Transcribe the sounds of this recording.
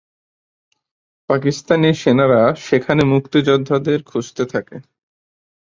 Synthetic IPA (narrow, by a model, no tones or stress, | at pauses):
pak̬ist̪aniɾʃenaɾaʃekʰanemukt̪id͡ʑɔd̪ʱːad̪eɾkʰud͡ʑt̪et̪ʰake